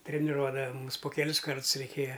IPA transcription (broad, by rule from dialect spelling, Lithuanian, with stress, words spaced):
tʲrʲɛnʲɪˈruɔdɐʋɐ ˈmʊmʲɪs poː kʲɛˈlʲɪs ˈkɐrts rʲɛɪˈkʲeːjɛ